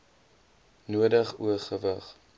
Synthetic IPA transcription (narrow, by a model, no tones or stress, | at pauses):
nuədəχṵəχəvəχ